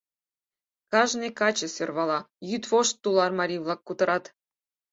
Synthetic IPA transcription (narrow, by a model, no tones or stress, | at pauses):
kɑʒnɨkɑt͡ɕə̆sørβɑlˠɑjyt̪βoʃt̪ːulˠɑrmɑɾʲivlˠɑkːut̪ɤ̆ɾɑt̪